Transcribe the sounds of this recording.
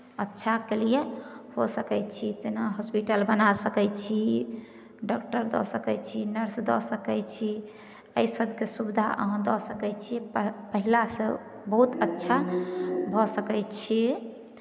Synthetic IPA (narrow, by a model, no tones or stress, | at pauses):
ətːʃʰakelijehosəkɛjt͡ʃʰit̪enaɦɔspiʈəlbənasəkɛjt͡ʃʰi | ɖɔkʈəɾd̪ɔ̰səkɛt͡ʃʰinəɾsd̪ɔsəkɛjt͡ʃʰi | əisəbʱkesubd̪ʱa̰ʔə̰ɦə̃d̪ɔsəkɛjt͡ʃʰipəɦilasẽ | bəɦut̪ətːʃʰabʱɔsəkɛjt͡ʃʰi